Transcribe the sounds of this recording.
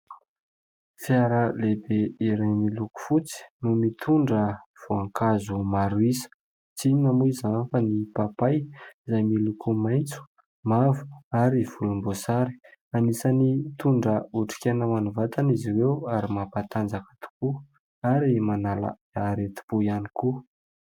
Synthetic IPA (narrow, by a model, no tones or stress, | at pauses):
fjaɾəlebeiɾajmiluku̥fut͡si̥numit̪ʰuɳɖ͡ʐəv̥oaŋkazumaɾuisə̥ | t͡simamuizanfənipapajizajmilukʰumajnt͡su̥ | mavu̥aɾiv̥ulumbosaɾi̥anisanit̪uɳɖ͡ʐəuʈ͡ʂi̥kʲenəmanuvat̪aniziwewaɾimapat̪and͡zakə̥t̪u̥ku | aɾimanala̰ | aɾet̪u̥b̥ujaniku